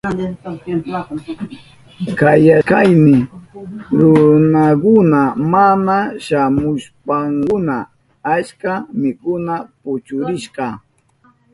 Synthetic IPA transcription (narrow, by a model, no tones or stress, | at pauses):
kajakajmɪ | ɾʊnakʊnamanaʃamʊʃpaŋkʊna | at͡ʃkamɪkʊnapʊt͡ʃʊɾɪʃqɑ